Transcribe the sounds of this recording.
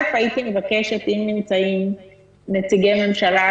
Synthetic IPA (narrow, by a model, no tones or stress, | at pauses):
fajit̪imevakeʃet̪imnimt͡saim | net͡siɡememʃala